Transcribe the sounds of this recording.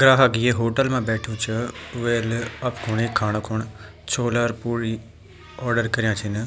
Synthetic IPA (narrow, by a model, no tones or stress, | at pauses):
ɡɾaːɦaːɡiːeːɦoːʈəlmãːbɛːʈʰijũːt͡ʃəʋeːləpkʰʊɳeːkʰaːñkʰʊɳ | t͡ʃʰoːlaːɾpuːɾiː | ɔːɾɖəɾkəɾɪjãːt͡ʃʰɪn